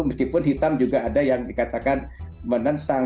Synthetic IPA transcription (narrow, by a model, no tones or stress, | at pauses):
məskipʊnɦit̪amd͡ʒuɡaːdajaŋdikat̪akan | mənənt̪a